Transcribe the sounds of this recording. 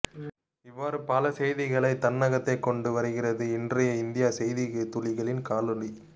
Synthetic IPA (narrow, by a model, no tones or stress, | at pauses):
ɪʋːaːɾɯpɐlɐsɛjðɪɣɐɭɐɪt̪ːɐnːɐɣɐt̪ːɐɪkːɔɳɖɯʋɐɾɯɣɪrɐðɯɪndrɐjɐɪnd̪ɪjaːsɛjðɪɣɐt̪ːʊlɪɣɐɭɪnkaːlɯli